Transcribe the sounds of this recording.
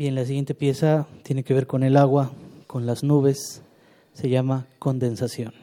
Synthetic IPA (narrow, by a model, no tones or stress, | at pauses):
ienlasiɣje̞nt̪e̞pje̞sat̪je̞neke̞βe̞ɾko̞ne̞laɣwako̞nlaznuβe̞sː | e̞ʝamako̞nd̪e̞nsasjo̞n